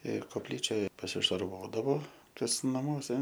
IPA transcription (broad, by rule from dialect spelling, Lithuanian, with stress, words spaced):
ɪr koːpʲˈlʲiːt͡ʃʲoːj pɐsʲɪʃɐrˈʋoːdɐʋoː kɐs nɐˈmuɔsʲɛ